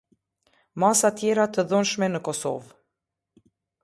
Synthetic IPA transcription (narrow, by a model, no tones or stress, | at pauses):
masat̪jɛɾat̪əðunʃmɛnəkɔsɔ̰v